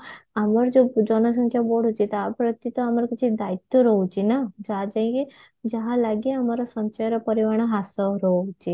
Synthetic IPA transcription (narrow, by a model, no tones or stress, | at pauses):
amaɾd͡ʒod͡ʒɔnɔs̬ə̃ŋkʰjaboɽ̤ɦot͡ʃʰit̪apɾət̪it̪ɔamaɾkit͡ʃʰid̪ait̪jɔɾɔɦut͡ʃinad͡ʒad͡ʒaĩke | d͡ʒaɦalaɡiamaɾɔsɔ̃nt͡ʃɔjɾɔpəɾiʋaɽ̃ɔɦasɔɾɔt͡ʃʰi